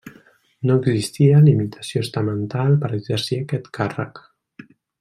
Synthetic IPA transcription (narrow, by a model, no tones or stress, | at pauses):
noəɡzist̪ialimit̪ʰḁsjost̪amənt̪alpəɾəzɛɾsiakɛt̪kʰarə̰k